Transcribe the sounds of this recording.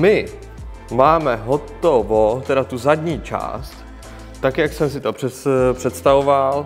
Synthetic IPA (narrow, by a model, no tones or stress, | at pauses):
mɪ | maːmɛɦot̪ovot̪ɛdat̪uzadɲiːt͡ʃa̰ːst̪ː | akjaksɛmsɪt̪opr̥ɛpr̥ɛt̪st̪avoval